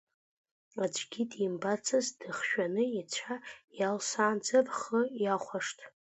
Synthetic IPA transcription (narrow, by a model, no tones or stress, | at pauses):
ad͡ʒʷɡʲidimbat͡sʰazdɨχʃᶣanɨit͡ɕʷʰajalsaːnd͡zɨrχəjaχʷaʂtʰʼ